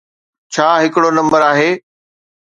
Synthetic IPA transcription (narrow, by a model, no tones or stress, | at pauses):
t͡ɕʰaːɦɪkɽonɐ̃mbəɾaːɦeː